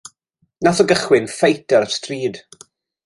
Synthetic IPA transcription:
naθɔɡəχwɪnfejtʰəɾəstriːd̥

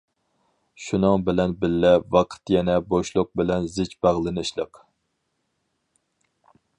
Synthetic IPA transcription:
ʃunɨŋbɪlɛnbɪlːɛvɑqʰə̥t̪jɛnɛboʃlˠʊq̚bɪlɛnzɪt͡ʃbæʁlˠɨnɨʃlˠəq

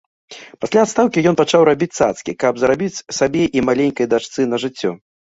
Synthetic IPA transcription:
pasʲlʲaːt̪st̪awkʲijɔnpat͡ʂawɾabʲit͡sʲsat̪skʲikɐbzɾabʲit͡sʲsabʲɛʔimalʲenʲkɐjd̪at͡ʂt̪sɨnɐʐɨt͡sʲːɔ

